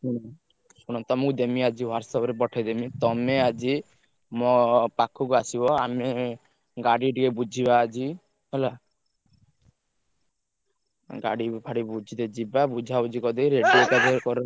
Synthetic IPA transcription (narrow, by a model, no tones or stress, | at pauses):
suɽ̃ɔ | suɽ̃ɔt̪ɔmukud̪emiad͡ʒiwaɾsɔbɔɾepɔʈʰed̪emit̪ɔmead͡ʒi | mɔpakʰukuasibɔame | ɡaɽiʈikebud͡ʒʱibaːd͡ʒi | ɦela | ɡa̰ɽipʰaɽibud͡ʒʱid̪ed͡ʒibabud͡ʒʱabud͡ʒikɔd̪iɾeʈiek̪ad̪ekɔɾe